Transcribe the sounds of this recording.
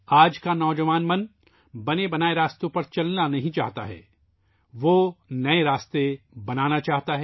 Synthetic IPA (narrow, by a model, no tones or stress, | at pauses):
aːd͡ʒkanɔːd͡ʒɐʋaːnmɐn | bɐnebɐnaːeɾaːst̪õpɐɾt͡ʃɐlnanɐɦĩt͡ʃaːɦt̪a̰ɦɛ̰ː | ʋoːnɐeɾaːst̪ebɐnaːnat͡ʃaːɦt̪aɦɛ